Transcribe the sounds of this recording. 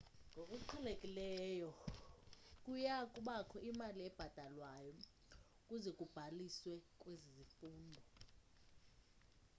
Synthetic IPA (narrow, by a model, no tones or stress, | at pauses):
ŋʱokʼuǃʰɛlekʼilɛjɔ | kʼujakʼuɓakʰɔʔimaliɛb̥ʱad̥ʱalwajɔ | kʼuzɛkʼub̥ʱaliswɛkʼwezizifuːndʱɔ